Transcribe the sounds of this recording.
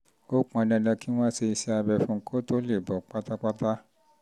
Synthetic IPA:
o˦k͡pũ˧ã˧dɛ̃˧˨da˧ki˦w̃ɔ̃˦se˧i˧sɛ˧a˧bɛ˧fũ˧˦kʰo˦to˦le˦˨bɔ˨k͡pa˦ta˦k͡pa˦ta˦

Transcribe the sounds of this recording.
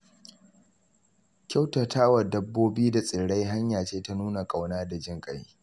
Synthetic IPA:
kʲa˦wtɐ˨taː˦wɐ˨dɐ˦bːoː˦biː˦da˨sʼɪ˨ɽa˦jɦa˦ɲjaː˨t͡ʃeː˦ta˦nuː˦na˨kʼa˨wnaː˦da˨d͡ʒɪ˦˨ŋkʼɐ˦˨j

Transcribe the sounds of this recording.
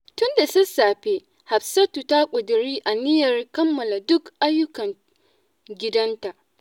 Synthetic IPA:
tʊ˦nda˨sʊ˦saː˨ɸe˦ | ha˨ɸsɐ˦tu˨ta˦kʷʼʊ˨dɪ˨ɾiː˦ʔa˨nɪ˦jɐ˨rkɐ˦mːɐ˨la˨dʊ˦kʔa˦jːʊ˦kɐ˨n | ɡʲɪ˦dɐ˦nta˨ʔ

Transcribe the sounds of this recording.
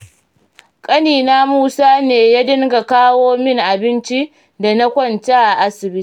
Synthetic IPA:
kʼɐ˦niː˨naː˦muː˦saː˦neː˨ja˦dɪ˦ŋɡa˨kaː˦woː˦mɪ˦˨ŋʔa˨bɪ˦nt͡ʃi˦ | da˨na˦kʷɔ˦nta˦ʔa˨ʔa˦sɪ˨bɪ˦i˦

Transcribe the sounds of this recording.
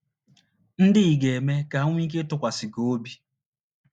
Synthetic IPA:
n̩˦dɪ˦i˨ɡe˨me˦ka˨˦ŋʷ˦i˦k̬e˦tʊ˦kʷa˨sɪ˨ɡo˨o˦bi˨

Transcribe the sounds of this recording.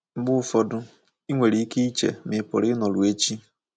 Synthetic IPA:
bʊ˦fɔ˦dʊ˦ | i˦ŋʷe˨ɾi˨˦i˦ke˦i˦t͡ʃḛ˨mɪ˨pʊ̰˨ɾɪ˦nɔ˨lʊ˨e˦t͡ʃi˦

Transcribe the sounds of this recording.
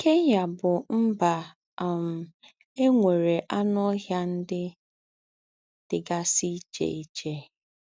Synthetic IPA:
ke˦ɲa˨bʊ˨m̩˦ba˨ | m̩˨ | e˦ŋʷe˨ɾe˨ʔa˦nɔ˦ɦja˦n̩˦dɪ˦ | d̥ɪ˨ɡa˦si˦t͡ʃḛ˦˨i˦t͡ʃe˦

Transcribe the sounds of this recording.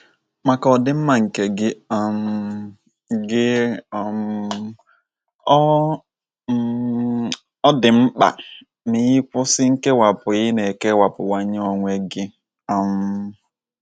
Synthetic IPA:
ma˨ka˨ɔ˨dɪ˦m̩˦ma˨ŋ̩˨ke˨ɡɪ˦˨m˦ | ɡɪ˦˨m˦ | ɔ˦dɪ˨m̩˦k͡pa̰˨ | ni˨ɣɪ˦kʷʊ˦sɪ˦ŋ̩˦ke˦wa˨pʊ˨ɣɪ˦ne˨ke˦wa˨pʊ˨wa˦ɲe˦o˨ŋʷe˦ɡɪ˦ | a˨m˦

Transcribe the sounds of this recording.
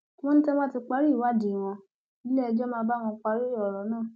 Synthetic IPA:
w̃ɔ̃˦n̩˦tɛ˦mã˦ti˧k͡pa˧˦ɾi˦˨wa˦˨di˨w̃ɔ̃˧ | i˦lɛ˦ɛ˧d͡ʒɔ˦mãː˦˧˦ba˦w̃ɔ̃˧k͡pa˧ɾi˦ɔ˨ɾɔ˨˦nãː˦˨

